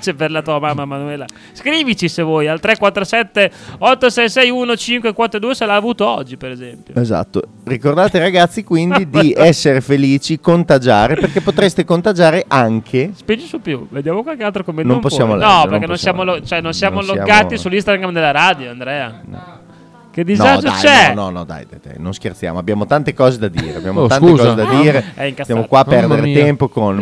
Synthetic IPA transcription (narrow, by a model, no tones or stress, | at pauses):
t͡ʃɛveɾlat̪uamamːamːanuɛla | skɾiːvit͡ʃisevɔːjalt̪ɾɛkwat̪ːɾosɛt̪ːeɔt̪ːosɛjsɛjunot͡ʃiŋkwekwɔt̪ːɾod̪uːeselaːvuːt̪oɔd͡ʒːipeɾezɛmpjo̰eza̰t̪ːo̰ | rikord̪aːt̪eiɾaɡat̪sːikwinid̪iɛsːeɾefeliːt͡ʃikont̪ad͡ʒaːɾeperkepːot̪ɾest̪ekont̪ad͡ʒaːɾeʔaŋkʰespind͡ʒisupjuved̪jaːmokwalkealt̪ɾokomenõmposːjaːmolanɔpeɾkenõnsjaːmolot͡ʃoɛnonsjaːmolojaɡaːt̪isulːist̪aɡɾamd̪elːaɾaːd̪joand̪ɾɛːanɔ̰ | ked̪iznadd͡ʒoat͡ʃɛnɔnɔ̰d̪a̰jd̪a̰jd̪a̰jnõnsk̟ert̪sja̰ːmoabjaːmot̪ant̪ekɔːzed̪ad̪ḭːɾea̰bjaːmoaneuzkɔzzed̪ad̪iːɾeɛiŋkast̪jamokwaːppɛrd̪eɾet̪ɛmpokon